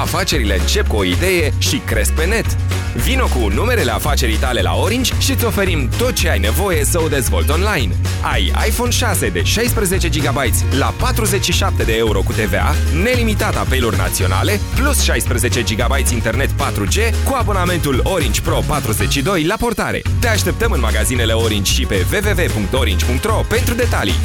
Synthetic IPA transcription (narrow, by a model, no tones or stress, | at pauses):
afat͡ʃe̞ɾile̞ɨ̰nt͡ʃe̞p̚kuo̞id̪e̞je̞ʃikɾe̞sk̚pe̞ne̞t̪ | vino̞kunume̞ɾele̞afat͡ʃe̞ɾijt̪ale̞la̰oɾind͡ʒʲʃit̪so̞fe̞ɾimt̪o̞t̪̚t͡ʃe̞ajne̞vo̞je̞səod̪e̞zvo̞̰lt̪o̞nlajn | a̰ja̰jfo̞nʃase̞d̪e̞ʃajspɾeze̞t͡ʃe̞d͡ʒiɡabajt̪sʲlapat̪ɾuze̞t͡ʃʲʃiʃap̚t̪e̞d̪e̞euɾo̞kut̪e̞ve̞a̰ne̞limit̪at̪ape̞lorna̰t̪sio̞na̰le̞plusʃajspɾeze̞t͡ʃe̞d͡ʒiɡabajt̪sʲint̪e̞rne̞t̪pat̪ɾut͡ʃe̞kuabo̞name̞nt̪ulo̞ɾind͡ʒpɾo̞pat̪ɾuze̞t͡ʃʃid̪o̞jlapo̞rt̪aɾe̞̰t̪e̞aʃt̪e̞p̚t̪əmɨnmaɡazine̞le̞o̞ɾind͡ʒʲʃipe̞ve̞ve̞ve̞puŋk̚t̪o̞ɾind͡ʒʲpuŋk̚t̪ro̞pe̞nt̪ɾud̪e̞t̪alḭ